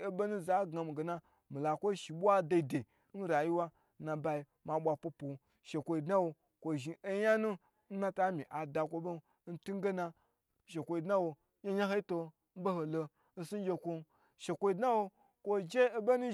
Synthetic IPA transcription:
e˦bo˦nu˦za˨˦ɡa˨˧mi˨ɡe˨na˦ | mi˨la˨kʷo˦ʃi˨ɓʷa˦da˧i˨de˨˦n̩˦ɾa˨ji˦wa˦ | na˧ba˧i˨ | ma˨ɓʷa˨po˧po˨˦ | ʃe˨kʷo˨i˨dna˦wo˧ | kʷo˨ʒi˨ʔe˦ja˦nu˦ | n̩˦na˦ta˦mi˨ʔa˨da˨kʷo˧˦bo˦n̩˦tu˦ɡe˦na˧ | ʃe˨kʷo˧i˨dna˦wo˧˦ | ɲa˦ɲa˦ɦo˦i˦to˧ | n̩˦bo˦ho˨lo˧ | n̩˦su˦n˦d͡ʒʲe˧kʷo˦n˦ | ʃe˨kʷo˦i˦dna˦wo˧ | kʷo˦d͡ʒeː˦bo˦nu˦

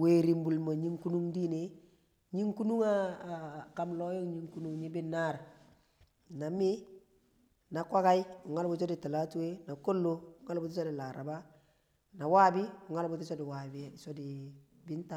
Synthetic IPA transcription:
we˨ɾi˨mbu˨lma˨ɲi˦ŋku˦nu˦ŋdi˦ne˦ | ɲi˦ŋku˦nu˦ŋa˦ | ka˨mlɔ˦jo˦ŋɲi˦ŋku˦nu˦ŋɲi˦bɪ˦nːa˦ɾ | na˨mi˦ | na˨kwa˦ka˦ju˨ŋa˦lbu˨s̬o˦di˨ta˨la˦tu˦e˦na˨ko˦lːo˦˨ŋa˦lbu˦t̬i˦so˦dɪ˨la˨ɾa˨ba˦ | na˨waː˦bi˦u˨ŋa˦lbu˦ti˦so˦di˨wa˨bso˦di˨ | bɪ˦nta˦

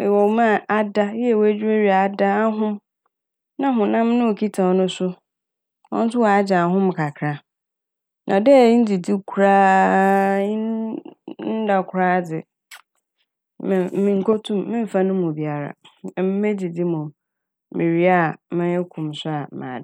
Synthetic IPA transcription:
wɔ˨˦mã˦˨a˦da˦jɛ˦˨wæ˦d͡ʑᶣi˦e˦ɾi˨a˨˦˨da˦a˦ɦʊ̃˦m | nã˦ɦʊ̃˨nã˦mnʊ̃˦o˨kʰi˦tʰa˨ɔ˨nʊ̃˦sʊ˦ | wɔ̰˦n̩˦tʊ˦wɔ˨a˦d͡ʑa˨ɦʊ̃˦m˨kʰa˨kʰɾa˦ | nʔã̰˨dɛ˦˨˦n̩˦di˨di˦kʰɾaː˦ | ĩ˦ | n̩˦da˨kʷʰʊ˨ɾaː˦dɪ˨ | m˨mĩ˨ŋ̩˨kʰo˦tʰũ˦mː˦ɪ̃˦m̩˨fa˦nʊ̃˦mːʊ̃˨bi˨a˨ɾa̰˨ɛ˨m˦mẽ˦di˨di˦mʊ̃˨m | mɪ̃˨ɾi˦a˨mɪ̃˦ɛ˦kʰũ˨msʊ˦a˨mã̰ː˨

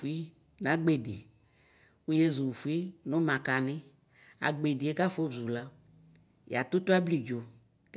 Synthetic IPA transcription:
u˨˦i˦ | n˨ã˨˦ɡ͡be˨dḭ˨ | u˦je˦zu˨fu˨˦i˦nʊ̃˦mã˨ka˨nɪ̃˦ | a̰˨ɡ͡be˨di˨e˦ka˦fo˦zu˨la˦ | j̰a˨t̪u˦t̪o˦a˦bli˨d͡ʒo˨ | k

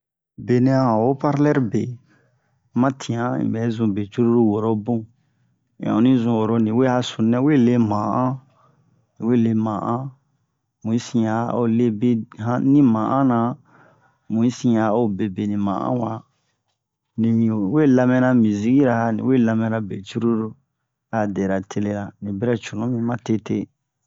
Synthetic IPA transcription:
be˨nĩ˦ã˦˨hã˨wo˦pa˦ɾlɛ˦ɾbe˨˦ | mã˦tʰĩ˨ã˦ḭ̃˨bɛ˨˦zũ˨be˨t͡ʃu˦ɾu˦ɾu˦wo˨ɾo˦bũ˦˨ | ã̰˨o˨˦nĩ˦zũ˧wo˨ɾo˨nĩ˨we˦a˦sũ˨nɛ̃˦we˦˨le˦mã˨ʔã˦ | nĩ˨we˦˨le˦mã˨ʔã˦ | mũ˨i˦sĩ˦a˨˦o˦le˦be˦hã˦nĩ˦mã˨ʔã˦nã˨ | mũ˨˦i˦sĩ˦a˨o˦be˨be˨nĩ˨mã̰˨ʔã̰˦wa˨ | nĩ˨we˦la˦mɛ̃˦na˦mĩ˨zi˦ɡi˦ɾa˨ha˦nḭ̃˨we˦la˦mɛ̃˦ɾa˨be˨t͡ʃu˦ɾu˦ɾu˦ | a˨dɛ˨ɾa˨tʰe˦le˦la˨nĩ˨be˦ɾa˦t͡ʃu˨nũ˦mĩ˦mã˦te˦te˦

